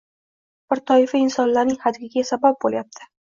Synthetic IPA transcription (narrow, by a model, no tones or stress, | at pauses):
b̥ɪɾt̪ʰɒɪfaɪnsɒnlaɾnɪŋhad̪ɡʲɪɡʲasabap̚boljap̚t̪ʰɪ̥